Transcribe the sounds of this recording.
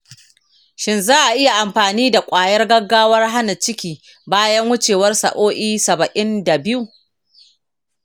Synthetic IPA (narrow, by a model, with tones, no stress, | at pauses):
ʃɪ˦nzaː˦ʔa˨ʔɪ˦ja˨ʔa˨mɸaː˨niː˦da˨kʷʼaː˨jɐ˦rɡɐ˦ɡːaː˦wɐ˦rɦa˦nɐ˨t͡ʃɪ˦kʲiː˨ | baː˦jɐ˦ŋwʊ˦t͡ʃeː˨wɐ˦rsɐ̰˨ʔoː˦ʔiː˦sɐ˨bɐ˨ʔɪ˦nda˨bɪ˦ju˨